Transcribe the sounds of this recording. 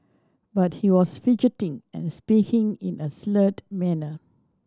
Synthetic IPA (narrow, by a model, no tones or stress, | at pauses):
bat̚hiwɔsfid͡ʒitɪ̃ŋɛ̰̃nspikʰɪ̃ŋḭ̃nəslətmɛnə